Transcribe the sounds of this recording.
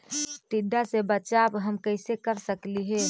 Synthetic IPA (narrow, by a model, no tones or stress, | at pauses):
ʈ̪id̪asebət͡ʃabɦəmkəɪsekəɾsəkliɦe